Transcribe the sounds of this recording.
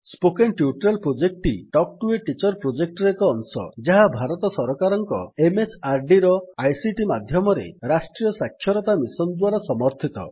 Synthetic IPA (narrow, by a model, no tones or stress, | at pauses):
spokenʈjuʈɾelpɾod͡ʒek̚ʈiʈɔk̚ʈueʈit͡ʃɔɾpɾod͡ʒek̚ʈɔɾekɔːnsɔ̰d͡ʒaɦabʱaɾɔt̪ɔsɔɾɔkaɾɔŋkɔ̰emet͡ʃʰaɾɖiɾɔajsiʈimad̪ʱjɔmɔɾḛɾasʈɾijɔsakʰːjɔɾɔt̪amisɔnd̪waɾasɔmɔɾt̪ʰit̪ɔ̰